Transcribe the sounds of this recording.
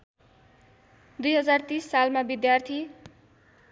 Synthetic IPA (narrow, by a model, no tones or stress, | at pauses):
d̪ujɦʌd͡zart̪isːalmabid̪jart̪ʰi